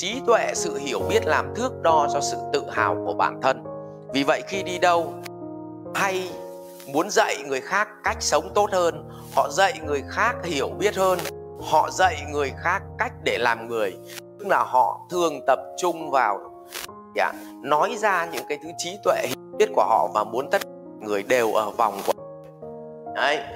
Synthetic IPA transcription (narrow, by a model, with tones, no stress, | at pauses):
t͡ɕi˨˦t̪wḛ˧˨sɨ̰˧˨hi˧˩əwɓi˦˥ət̚laː˨˩mt̪ʰɨ˦˥ək̚ɗɔ˧zɔ˧sɨ̰˧˨t̪ɨ̰˧˨haː˨˩wku˧˩əɓa̰ː˧˩nt̪ʰə˧n | vi˨˩və̰˧˨jxi˧ɗi˧ɗə˧w | ha˧j | mu˨˦ənzə̰˧˨jŋɨ˨˩əjxaː˦˥kːa˦˥jk̟̚sə˨˦wŋ͡mt̪o˦˥t̚həː˧n | hɔ̰˧˨zə̰˧˨jŋɨ˨˩əjxaː˦˥k̚hi˧˩əwɓi˦˥ət̚həː˧n | hɔ̰˧˨zə̰˧˨jŋɨ˨˩əjxaː˦˥kːa˦˥jk̟̚ɗe˧˩laː˨˩mŋɨ˨˩əj | t̪ɨ˦˥k̚laː˨˩hɔ̰˧˨t̪ʰɨ˨˩əŋt̪ə˨˩p̚t͡ɕʊ˧ŋ͡mvaː˨˩w | a̰ː˧˩ | nɔ˨˦jzaː˧ɲɨ̰˧˥ŋkaː˨˦jt̪ʰɨ˨˦t͡ɕi˨˦t̪wḛ˧˨hi˧˩wi˦˥ət̚ku˧˩əɦɔ̰˧˨vaː˨˩mu˨˦ənt̪ʰə˦˥t̚ka˨˩ŋɨ˨˩əjɗe˨˩wʔəː˧˩va˨˩wŋ͡mku˧˩ə˧˨ | ʔə˨˧˦j